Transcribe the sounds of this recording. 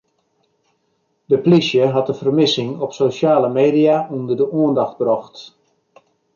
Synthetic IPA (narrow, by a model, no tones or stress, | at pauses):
dəplisjəɦɑtəfərmɪsɪŋɔpsoʃaːləmeːdijaʔundərdəʔuəndɔxt̚brɔxt